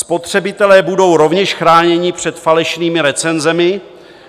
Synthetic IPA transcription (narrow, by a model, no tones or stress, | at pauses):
spo̞t̪r̝̥ɛbɪt̪ɛlɛːbudo̞wɾovɲɛʃxɾaːɲɛɲɪpr̝̥ɛt̪falɛʃniːmɪɾɛt͡sɛnzɛmɪ